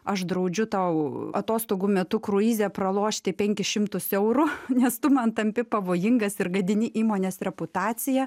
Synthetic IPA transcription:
ɐʃd̪ɾɐʊd͡ʒʲʊt̪ɐʊɐ̰t̪oːst̪oːɡuːmʲɛt̪ʊkɾʊiːzʲɛprɐlˠoːʃʲt̪ʲɪpʲɛŋʲkʲɪʃʲɪmt̪ʊsɛʊɾʊnʲɛst̪ʊmɐnt̪ɐmʲpʲɪpɐʋoːjɪŋɡɐsɪrɡɐd̪ʲɪnʲɪʔiːmoːnʲeːsrʲɛpʊt̪ɑːt͡s̪ʲɪjɛ

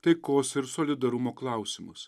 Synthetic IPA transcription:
t̪ɐɪkoːsɪɾsoːlʲɪd̪ɐɾʊmoːklˠɐˑʊsʲɪmʊs

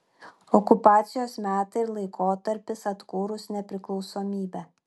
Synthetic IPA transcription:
ɔkʊpɑːt̪sʲɪjoːsmʲæːt̪ɐɪɾlˠɐɪkoːt̪ɐɾʲpʲɪsɐt̪kuːɾʊsnʲɛpʲɾʲɪklˠɒʊsoːmʲiːbʲæ

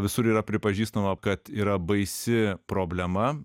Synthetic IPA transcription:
ʋʲɪsʊɾiːɾɐpʲɾʲɪpɐʒʲiːst̪ɐmɐkɐt̪iːɾɐbɐɪsʲɪpɾoːbʲlʲɛmɐ

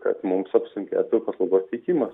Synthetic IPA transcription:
kɐ̰t̪mʊmsɐpsʊŋkʲæ̰ːt̪ʊpɐslˠɐʊɡoːsʲt̪ʲɛɪkʲiːmɐs

